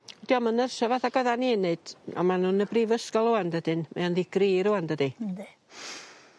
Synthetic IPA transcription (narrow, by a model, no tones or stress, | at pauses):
d̥iːɔmənərsɔvaːθaɡ̥əðaninɨd̥ɔ̰manuːnəbriːvəskɔlˠoandədɨnmɛ̰anðiɡ̥riːɾʊandədi